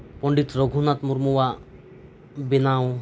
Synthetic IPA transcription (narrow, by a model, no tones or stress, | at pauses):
pɔɳɖit̪ɾɔɡʱunat̪muɾmuwa | binaw